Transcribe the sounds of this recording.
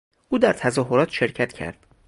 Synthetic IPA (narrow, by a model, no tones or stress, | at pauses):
ʔuːd̪æɾt̪ʰæzɒːɦoɾɒːt̪ʰʃe̞ɾcʰæt̪ʰcʰæ̰ɾd̪̥